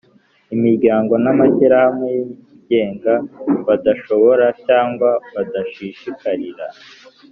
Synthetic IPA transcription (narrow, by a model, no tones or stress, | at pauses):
imiɾɟaːŋɡo̞namaçiɾahamŋeji | ɟe̞ːŋɡaβadaʃo̞βo̞ɾacaːŋɡwaβadaʃiʃikaɾiɾa̰